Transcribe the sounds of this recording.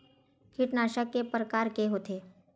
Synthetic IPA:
kʰɪʈnaːʃakepɾəkaːɾkeɦoːt̪eː

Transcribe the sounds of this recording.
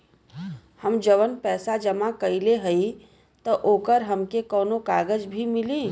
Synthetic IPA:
həmd͡ʒəʋənpɛːsad͡ʒɐmãkɐileɦɐi | t̪ɔʔoːkəɾɦɐmkekɔːnokaːɡəd͡ʒbʱimɪliː

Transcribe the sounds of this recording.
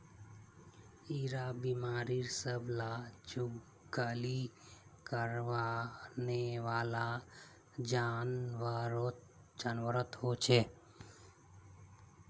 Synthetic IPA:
iɾabimaːɾiɾsəbʱlad͡ʒuɡ | ɡaːlikəɾʋaneʋaːla | d͡ʒanʋaɾot̪ | d͡ʒanʋəɾət̪ɦot͡ʃʰe

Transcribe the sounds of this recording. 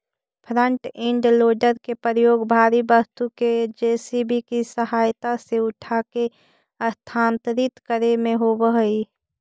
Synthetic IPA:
pʰɾə̃ɳʈɪ̃ɳɖloːɖəɾkepɾəjoːɡbʱaːɾibəst̪uked͡ʒeːsibʱikisəɦaːjt̪aseʊʈʰake | əst̪ʰaːnt̪ɾɪt̪kəɾemẽɦobəɦəi

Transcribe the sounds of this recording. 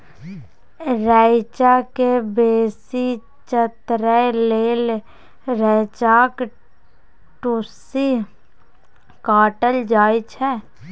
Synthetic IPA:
ɾɛːɪt͡ʃakebeːsi | t͡ʃət̪ɾəleːl | ɾɛt͡ʃaːk | ʈusi | kaːʈəld͡ʒaːjt͡ʃʰɛː

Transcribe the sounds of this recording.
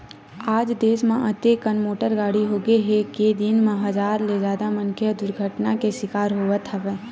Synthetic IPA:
aːd͡ʒd̪eːsmẽʔət̪ekənmoːʈəɾɡaːɽiɦoːɡeɦeked̪ɪnmãɦɐzaːɾled͡ʒaːd̪amə̃nkʰəd̪ʊɾɡʱəʈnakeʃɪkaːɾɦoːʋət̪ɛʋɛː

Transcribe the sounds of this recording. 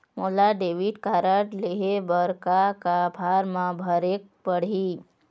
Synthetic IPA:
molaɖeːʋiʈkaɾəʈleɦebəɾkakabʱaːɾmãbʱəɾek̚pəɽ̤i

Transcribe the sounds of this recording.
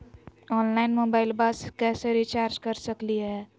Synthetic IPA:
ɔːnlaːɪnmoːbaːɪlbaskɛseɾit͡ʃaːɾd͡ʒkəɾsəkliɦɛː

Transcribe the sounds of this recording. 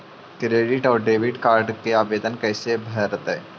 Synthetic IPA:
kɾeːɖɪʈɔːɾɖeːʋɪɖkaːɾɖkeaːbeːd̪ənkɛːsebʱɐɾət̪ɦɛː

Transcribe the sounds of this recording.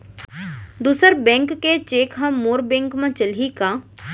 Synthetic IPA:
d̪uːsəɾbɛ̃ːŋkːet͡ʃeːkɦɐ̃moːɾbɛ̃ːŋkmãt͡ʃəlikaː

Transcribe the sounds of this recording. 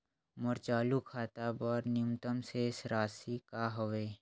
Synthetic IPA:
mʊɾt͡ʃaːlukʰaːt̪abɔːɾnɪjumt̪əmsesɾaːsikaɦoʋeː

